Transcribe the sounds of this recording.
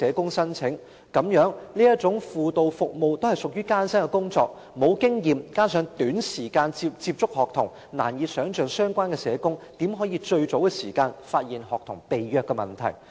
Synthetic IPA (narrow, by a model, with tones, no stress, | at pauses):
ɛː˨˥kʊ˥ŋsɐ˥nt͡sʰɪ˨˥ŋ | kɐ˨˥mjœː˨˥ŋliː˥jɐ˥t̚t͡sʊ˨˥ŋfuː˨t̪o˨wfʊ˨k̚mo˨wt̪o˥whɐ˨jsʊ˨k̚jyː˥kaː˥nsɐ˥nkɛ˧kʊ˥ŋt͡sɔ̰ː˧k̚ | mo˨˧wkɪ˥ŋjiː˨˩mkaː˥nsœː˨˧˥ŋt̪yː˨˥nsiː˨˩kaː˧nt͡si˧pt͡siː˧p̚t͡sʊ˥k̚hɔː˨k̚t̪ʰʊ˨˩ŋ | na̰ː˨˩njiː˨tsœː˨˥ŋt͡ʃœː˨˧ŋsœː˥ŋkʷaː˥nkɛ˧sɛː˨˥kʊ˥ŋt̪i˨˥mɦɔː˨˥jiː˧t͡ʃɵ˧ɥt͡so˨˥wkɛ˧siː˨˩kaː˧nfaː˧t̚jiː˨˩nhɔː˨kt̪ʰʊ˨˩ŋpe˨jɥœː˧kːɛ˧mɐ˨nt̪ʰɐ̰˨˩j